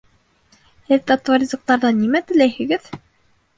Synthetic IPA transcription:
ɘðt̪at̪oɾʲizŏk̚t̪ɑɾðɑnimæt̪ɘ̆læjhɘ̆ɡɘð

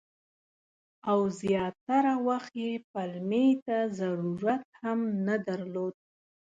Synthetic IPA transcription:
awzjɑt̪ːaɾawaxt̪jepalmet̪azaɾuɾat̪hamnad̪aɾlod̪̚

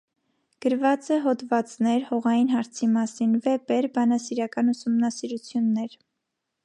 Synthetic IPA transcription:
ɡ̥əɾvɑt͡sɛɦɔd̪vɑt͡snɛɾhɔʁɑjinɦɑɾt͡sʰimɑsinvɛpɛɾbɑnɑsiɾɑkɑnusumnɑsiɾut͡sʰjunːɛɾ

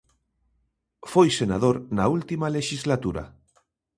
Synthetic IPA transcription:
fojsenað̞oɾnault̪imaleʃizlat̪uɾa̰

